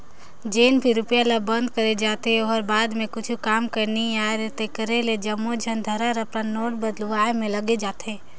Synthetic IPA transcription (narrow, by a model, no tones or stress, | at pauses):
d͡ʒeːnbʰʱiɾʊpjalabə̃nd̪̚kəɾed͡ʒaːt̪eoɔɾbaːd̪mẽkʊt͡ʃʰukaːmkəɾniaːɾt̪ekəɾeled͡ʒɐmːod͡ʒʱənd̪ʱəɾaɾəpɾannoːʈ̚bəd̪luʋaːemẽlɐɡed͡ʒaːt̪eː